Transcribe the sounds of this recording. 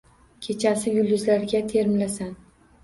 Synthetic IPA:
kʲʰe̞t͡ʃʰasɪjʊlːʊzlaɾɡʲat̪ʰe̞ɾmlasan

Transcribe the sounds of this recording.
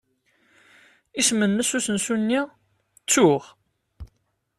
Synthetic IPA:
ismənːəsusənsunːi | t͡sːuʁ

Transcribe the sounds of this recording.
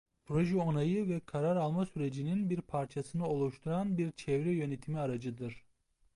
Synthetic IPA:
pʰɾoʒɛonajɯvɛkʰaɾaɾalˠmasyɾe̞d͡ʒininbiɾpʰaɾt͡ʃʰasɯnɯo̞lˠuʃt̪ʰuɾanbiɾt͡ʃʰɛvɾɛjø̞net̪ʰimiaɾad͡ʒɯd̪ɯɾ̥

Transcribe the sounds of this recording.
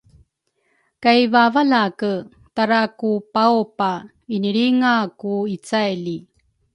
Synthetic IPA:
kajvavalakə | t̪aɾakupawpa | iniɭiŋakuit͡sajli

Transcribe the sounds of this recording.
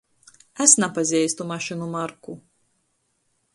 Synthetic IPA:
æsnapazʲiɛjst̪umaʃinumaɾku

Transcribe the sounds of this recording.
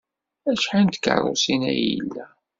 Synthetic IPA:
æʃħant̪kə̰rˤo̰sinæ̰jəḭlːæ

